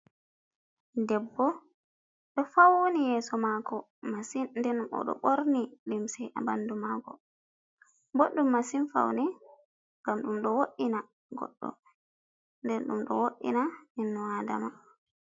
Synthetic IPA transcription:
dɛbːɔ | ɗɔfawonijɛːsɔmaɡɔ | masinndɛnɗumɔ̰ɗɔ̰ɓoɾnilimsɛʔa̰bandumaːɡɔ̰ | boɗːumːasinfa̰wnɛ | ŋɡamɗumɗɔwoʔːina | ɡɔ̰ɗːɔ̰ | ndɛnɗumɗɔ̰woʔːḭnaninːuada̰ma

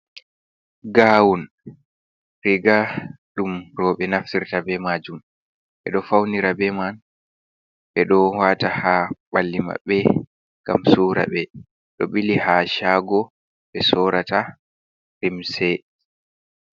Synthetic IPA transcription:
ɡawun | ɾiɡa | ɗumɾɔɓɛnaftiɾtabɛmad͡ʒum | ɓɛ̰ɗɔfawniɾabɛman | ɓɛɗɔwatahaɓalːima̰bɛ | ɡ̥amsuːɾa̰bɛ | ɗɔɓilihaʃaːɡɔ | ɓɛsɔːɾata | ɾimsɛ

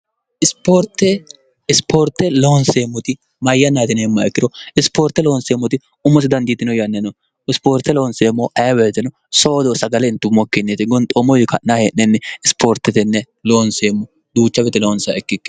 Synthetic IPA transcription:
ʔɪspoɾt̪ːɛ | ɪspoːɾt̪ːɛloːnseːmːɔt̪ɪ | mɐjːɐnaːt̪ɪneːmːɐɛkːɪd̪ɔɪspoːɾt̪ːɛloːnseːmːɔt̪ɪ | ʊmːɔs̬ɪd̪ɐnd̪iːt̪ːɪnɔjɐnːɛnɔ | ɪspoːɾt̪ːɛloːnseːmːɔʔɐjwɛt̪ɪnɔ | soːd̪ɔsɐɡɐlɛɪnt̪ːʊmːɔkːɪnːet̪ɪɡɔnt̪ʼɔmɔjɪkɐʔnahenːɛnːɛɪspʰoːɾt̪ːɛt̪ɛnːɛ | loːnseːmːɔ | d̪uːt͡ʃːɐbɛt̪ɛloːnsɐɛkːɪkːɛ

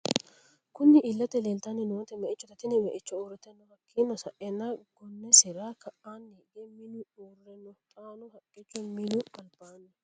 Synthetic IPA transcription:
kʊnːɪʔɪlːɐt̪ɛleːlt̪anːɪnʊwɐt̪ːɛmɛʔɪt͡ʃːɔt̪ɐt̪ɪnɪmɛʔɪt͡ʃːɔuːɾɛt̪ːɛnːɔhɐkʰːiːnːɔsɐʔɛnːɐɡɔnːɛsɛɾaːkʰɐʔaːnːiːɡɛmɪnʊuːrːɛnːɔt̪ʼaːnʊhɐkʼːɪt͡ʃːɔmɪnʊʔʼɐlbaːnːɔ

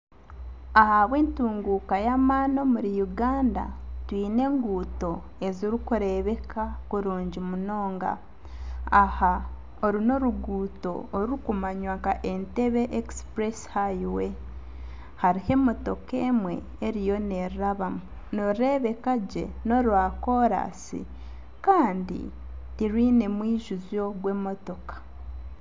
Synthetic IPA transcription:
ahaβwe̞ːntuːŋɡuːkajamaːno̞muɾijuɡaːnda̰twiːne̞ːŋɡuːto̞ | eziɾikuɾe̞βe̞kʰakuɾuːɲɟimuno̞ːŋɡa̰ | aha | oɾino̞ɾuɡuːto̞̰ːɾuɾukumaɲwaŋkaʔente̞βeʔekspɾeshaiwe̞ | haɾihe̞mo̞to̞keːmwe̞̰ | eɾijo̞neɾiɾaβamu | noɾɾe̞βe̞kaɟe̞̰no̞ɾwaːko̞ɾa̰sḭ | kaːndḭ | tiɾwiːne̞mwiːʒuzjo̞ɡwe̞ːmo̞to̞kḁ

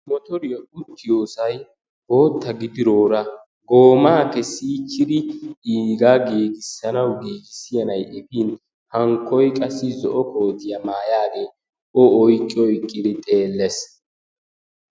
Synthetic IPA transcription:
mɔt̪ɔɾɪjɔʊt̪ːɪjoːsɐj | b̥o̞ːt̪ːɐɡɪd̪ɪɾoːɾɐ | ɡo̞ːmaːkɛsːiːt͡ʃːɪd̪ɪiːɡaːɡeːɡɪsːɐnɐwɡeːɡɪsːɪjɐnɐjʔɛbiːn | hɐŋkːɔjkʼɐsːɪzɔʔɔko̞ːd̪ɪjɐmaːjaːɡe | ɔɔjkʼːɪɔjkʼːɪd̪ɪt̪ʼe̞ːlːɛs

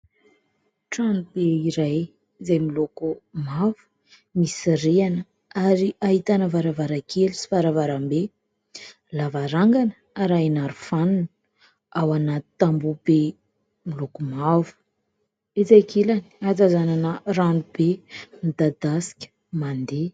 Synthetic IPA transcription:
ʈ͡ʂanub̥eiɾaj | zajmilokumavu̥ | misiɾeanə | aɾiaɦit̪anəvaɾavaɾakʰelisi̥vaɾavaɾambe | lavaɾaŋɡanə | aɾajnaɾufanunə | awanai̥t̪ambube | milokumavu̥ | et͡sajkelaniat͡sazananəranubemid̪ad̪asi̥kʲə̥ | mand̪e

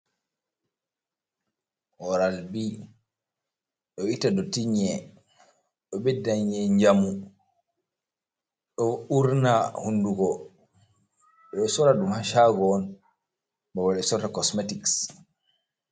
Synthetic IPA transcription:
hɔɾalbi | ɗɔitadɔtiɲɛ | ɗɔbɛdaɲɛɲd͡ʒamu | ɗɔuɾnahunduɡɔ | ɗɔsɔɾaɗumhaʃaɡɔːn | bawalɛsɔtakɔsmetiks

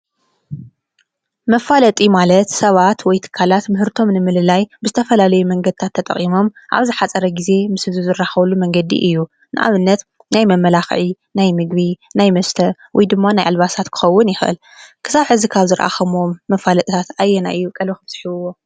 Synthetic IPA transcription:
mɐfalɐt̪ʼimalɐt̪sɐβat̪wɔjt̪ʰɨ̥kʰːalat̪mɨɦɨɾt̪ʰo̞mnɨmɨlɨlajbɨzɨt̪ʰɐfɐlalɐjumɐŋɡɐd̪ɨt̪ʰat̪ʰːɐt̪ʼɐ̰χʼimo̞mʔa̰βzɨħat͡sʼɐɾɐɡize̞mɨsɨzizɨrːaxβɐlːumɐŋɡɐd̪ḭʔɨjːu | nɨʔa̰βɨnːɐt̪ | najmɐmːɐlaxʕi | najmɨɡβinajmɐst̪ʰɐwɔjd̪ɨmːanajʔalβasat̪kʰɨ̥xɐwːʊnjɪxʔɨ̰l | kʰɨ̥saβħɨzikʰaβzɨɾʔa̰xɐmomːɐfalɐt̪ʼit̪ʰat̪ajːɛna̰ʔɨjːukʼɐlixɨftɨ̥ħiɨwːo̞

